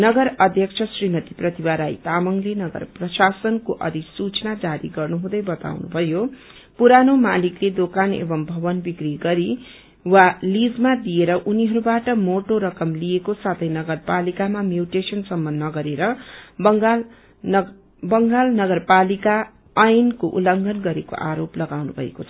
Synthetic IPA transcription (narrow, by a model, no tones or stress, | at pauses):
nʌɡʌɾʌd̪ʱjʌkt͡sʰʌsrimʌt̪iprʌt̪ibaɾajt̪amʌŋlenʌɡʌ̰rprʌsasʌnkoʔʌ̰d̪isut͡snad͡zaɾḭɡʌrnuɦũd̪ʌjbʌt̪a̰wnṵbʱʌjo | puɾanomalikled̪okanḛbʌmbʱʌbʌnbikriɡʌɾi | walid͡zmad̪ijeɾʌʔuniɦʌɾubaʈʌmoʈoɾʌkʌmlijekosat̪ʰʌjnʌɡʌrpalikamamjuʈesʌnsʌmːʌnːʌɡʌɾeɾʌbʌŋɡa | bʌŋɡalnʌɡʌrpalika | ʌjnkoʔulʌŋɡʱʌnɡʌɾeko̰ʔaɾoplʌɡawnubʱʌ̰ḛkot͡sʰʌ